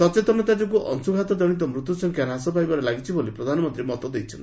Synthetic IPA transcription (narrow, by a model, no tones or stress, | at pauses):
sɔt͡ʃet̪ɔnɔt̪ad͡ʒɔk̬uʔɔ̰ŋsuɡʱat̪ɔd͡ʒɔɽ̃it̪̬ɔmɾut̪jusɔŋkaɾɦasɔpajbaɾelaɡit͡ʃʰibolipɾɔd̪ʱanɔmɔnt̪ɾimɔt̪ɔd̪ejt͡ʃʰɔn